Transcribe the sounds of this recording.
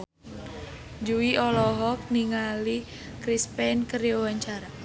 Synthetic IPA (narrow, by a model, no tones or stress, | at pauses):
d͡ʒuwiʔɔlɔɦɔk̚niŋali | kɾispɛnkəɾjɔwaɲt͡ʃaɾa